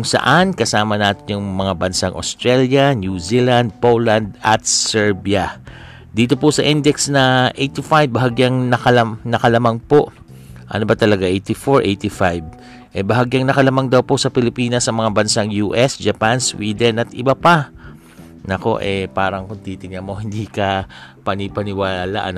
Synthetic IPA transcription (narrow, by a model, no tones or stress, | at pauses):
ʊŋsɐ̰ʔankɐsaːmɐnaːt̪ɪɲʊŋmɐŋabɐnsaŋʔo̰st̪ɾɛljɐnjuziland̪̚poland̪ɐ̰t̪̚sɛɹbiɐ | d̪iːt̪o̞posɐʔɪnd̪ɛksnɐʔejt̪ifajbːɐɦaɡjaŋnɐkɐlɐnɐkɐlɐmaŋpoʔ | ʔɐ̰nobɐt̪ɐlɐɡaʔejt̪ifoɹʔejt̪ifajb̚ | ʔɛbɐɦaɡjaŋnɐkɐlɐmaŋd̪ɐwpo̞sɐpɪlɪpiːnɐsːɐmɐŋabɐnsaŋjuːʔɛsd͡ʒɐpanswiːd̪ɛnɐt̪ʔɪbapa | nɐko̞̰ʔɛpaːɾɐŋkont̪iːt̪ɪŋamo̞hɪnd̪iːkɐpɐnipɐnɪwala̰ʔɐ̰n